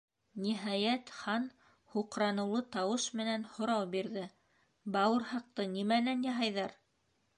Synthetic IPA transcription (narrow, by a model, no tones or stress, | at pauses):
niɦɑjæt̪χɑn | huqɾɑnɤ̆wlˠɤt̪ɑwɤʃmɘ̆nænhŏɾɑwbiɾðɘ | bɑwɤɾhɑq̚t̪ɤnimælænjɑɦɑjðɑɾ